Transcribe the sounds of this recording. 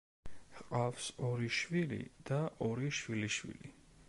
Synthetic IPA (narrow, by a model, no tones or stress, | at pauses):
qʼafsɔɾiʃwilḭd̪̥aʔɔɾiʃwiliʃwḭli